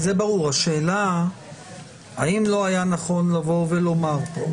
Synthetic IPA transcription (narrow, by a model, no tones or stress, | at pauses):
zebaʁuʁhaʃe̞ːla | aimlo̞ajanaχo̞nlavo̞velo̞maʁpo